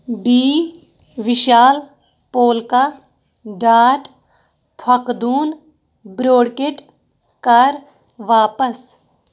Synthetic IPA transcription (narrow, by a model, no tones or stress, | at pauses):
biː | ʋɪʃaːl | poːlka | ɖaːʈ | pʰɐkd̪uːn | bɾoːɽkeʈ | kɐɾ | ʋaːpəs